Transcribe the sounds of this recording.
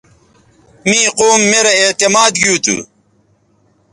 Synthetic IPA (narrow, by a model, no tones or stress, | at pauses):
mĩːqoːmːeɾɐet̪emaːd̪ɡiut̪ʰṵ